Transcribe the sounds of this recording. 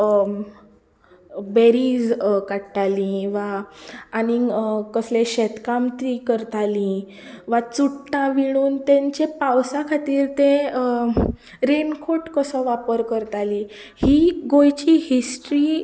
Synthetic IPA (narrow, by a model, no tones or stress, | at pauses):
beɾiːd͡zkaɽʈalĩʋaː | nikəsleɕɛt̪kamt̪ɾikəɾt̪alĩ | ʋat͡suʈʈãʋiɽ̃uːnt̪ɛ̃ɲt͡ɕepawsãkʰat̪iːɾt̪ẽ | ɾenkʰoʈkəsəʋapəɾkəɾt̪ali | hiɡojt͡ɕihisʈɾi